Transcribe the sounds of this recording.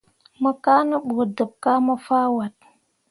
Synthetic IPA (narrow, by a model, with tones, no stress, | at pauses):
mə˦ka˦nə˦ɓo˨də˨p̚ka˦mə˦fa˦wa˨t̚